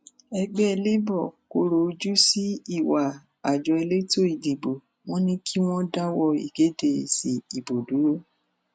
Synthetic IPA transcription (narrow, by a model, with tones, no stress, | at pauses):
ɛ˧ɡ͡bɛ˦ɛ˧le˦bɔ˦˨ko˧˦ɾo˨˧d͡ʒu˦si˦i˦˨wa˨ | a˨d͡ʒɔ˧ɛ˧le˦to˦i˦˨di˨bo˨ | w̃ɔ̃˦nĩ˦kʰi˦w̃ɔ̃˦da˦wɔ˧˨ḭ˨ɡ̥e˨˦de˦˨si˨i˨bo˨du˨˦ɾo˦